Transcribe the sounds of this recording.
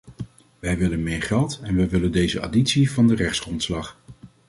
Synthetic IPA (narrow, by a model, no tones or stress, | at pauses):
ʋɛjʋɪlənmɪːɹχɛlˠtɛnʋɛjʋɪləndejzəa̰ːditsivɑndərɛχtsχrɔntslɑχ